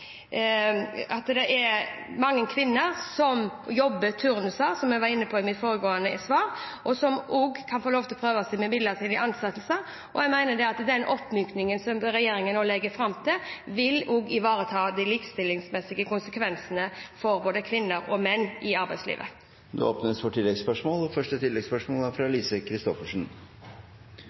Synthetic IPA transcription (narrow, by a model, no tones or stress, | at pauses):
ɑt̪d̪ɛʔɛɾmɑŋːənkʰʋɪnːəɾsɔmjɔbːət̪ʰʉɾnʉsəɾsɔmjɛɡʋɑɾɪnːəpʰɔɪmɪt̪foːɾəɡoːənəsʋɑːɾʔɔsɔmʔuːɡkʰɑnfoːloːʋt̪ʰɪlɔpʰɾøːʋəsæɡmɛmɪd̪ət̪ɪnɪʔɑnsɑt̪ːlsəɾ | ʔɔjɛɡmæɪnəd̪ɛɑt̪d̪ɛnʔɔpːmyːknɪŋənsɔmɾɛjeːɾɪŋənoːlɛɡːəfɾɑmt̪ʰɪlʋɪluːɡɪʋɑːɾət̪ʰɑːd̪ɪliːkst̪ɪlːɪŋsmɛsɪɡəkʰʊnsəkʰʋɛnsənəfɔɾboːd̪əkʰʋɪnːəɾɔmɛnːɪɑɾbæɪslḭːʋə̰ | d̪ɛ̰o̰ːpnəsfɔʈʰɪlːɛɡspœʂmoːlɔfœʂʈət̪ʰɪlːɛɡspœʂmoːlæɾfɾɑliːsəkʰɾɪst̪ɔfəʂn̩